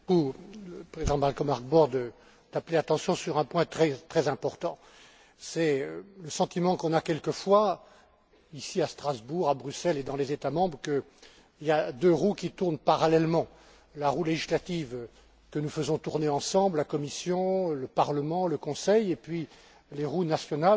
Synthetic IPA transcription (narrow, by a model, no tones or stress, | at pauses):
uləpχezid̪ɑ̃malkɔmaʁɡ̚bɔʁd̪ə | d̪̥apleat̪ɑ̃sjɔ̃syʁɛ̃pwɛ̃t̪χɛt̪χɛzɛ̃pɔʁt̪ɑ̃ | sɛləsɑ̃t̪imɑ̃kɔ̃nakʲɛlkəfwa | isiast̪χazbuʁabʁysɛled̪ɑ̃lezet̪amɑ̃bʁkə | iljad̪øʁukʲit̪uʁnpaʁalɛlmɑ̃ | laʁuleʒislat̪iv | kənufəzɔ̃t̪uʁneɑ̃sɑ̃bllakɔmisjɔ̃ləpaʁləmɑ̃ləkɔ̃sɛjepɥi | leʁunasjɔnal